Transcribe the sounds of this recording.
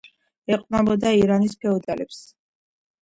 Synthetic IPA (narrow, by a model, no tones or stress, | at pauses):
ɛqʼnabɔd̪aiɾanispʰɛɔd̪alɛps